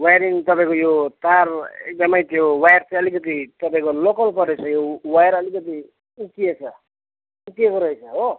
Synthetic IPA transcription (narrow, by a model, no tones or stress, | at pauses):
wajɾiŋt̪ʌpaĩkojot̪arḛk̚d̪ʌmʌjt̪jowajrt͡sãʌlikʌt̪̬it̪ʌpaĩkolokʌlpʌɾet͡sʰʌjowajɾʌlikʌt̪̬i | ukiet͡sʰʌ | ukiekoɾʌɦit͡sʰʌɦo